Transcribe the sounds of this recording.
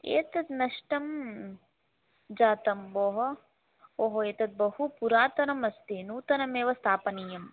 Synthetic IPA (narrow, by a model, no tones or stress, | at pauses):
eːt̪ɐt̪nɐʂʈɐm | d͡ʒaːt̪ɐmʋoːɦɐ | oːɦoeːt̪ɐt̪̚bɐhupuɾaːt̪ɐnɐmɐst̪inuːt̪ɐnɐmeːʋɐst̪ʰaːpɐnijɐm